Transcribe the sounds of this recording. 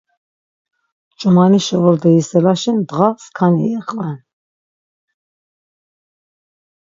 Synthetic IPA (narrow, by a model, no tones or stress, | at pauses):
t͡ʃʼumaniʃɛɔɾd̪ɛisɛlaʃɛnd̪ʁaskʰanḭɛqʼvɛn